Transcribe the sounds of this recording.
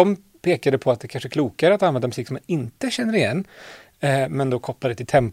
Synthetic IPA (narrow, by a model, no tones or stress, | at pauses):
ɔm | pʰeːkad̪əpʰɔat̪̚d̪ɛkʰanʂəɛkʰluːkaɾəat̪anvɛnd̪amɵsiːksɔmanɪnt̪əɕɛnːəɾɪjɛnː | mɛnd̪okʰɔpːlad̪ɛt̪ʰɪlt̪ʰɛmp